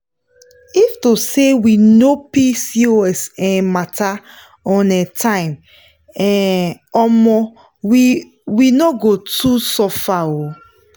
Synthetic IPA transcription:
iftosewinopisioɛsɛ̃matʰa | ɔ̃nɛtʰãɪ̃m | ɛ̃ɔmɔ | winɔɡotusɔfao

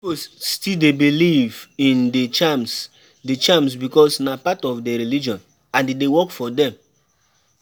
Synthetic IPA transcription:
osstildebilivĩndet͡ʃams | det͡ʃãms̬bikɔsnapatɔfdɛɹilid͡ʒɔ̃n | ãndedewɔkfɔdɛ̃m

